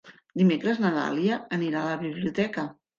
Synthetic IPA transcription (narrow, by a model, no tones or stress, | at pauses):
d̪imekɾəznət̪a̰liəəniɾaələβiβliut̪ɛkə